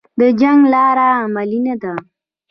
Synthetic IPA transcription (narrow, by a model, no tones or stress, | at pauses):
d̪əd͡ʒaŋɡlɑɾaːmalinad̪a